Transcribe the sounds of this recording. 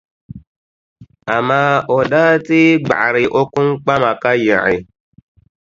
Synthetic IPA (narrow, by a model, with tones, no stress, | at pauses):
a˨ma˦ɔ˨ɗaː˦ti˦ɡ͡ba̰˨ʔɾi˨ʔo˦ku˦mk͡pa˦ma˨ka˦jã̰˨ḭ˨